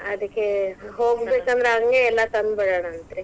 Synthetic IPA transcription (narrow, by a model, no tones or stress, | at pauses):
ɐd̪ɐkːeɦoːɡbeːkɐnd̪ɐɾeaːɡɐŋɡeːlːɐt̪ɐnbɐɽɐːɳɐːnt̪ɾe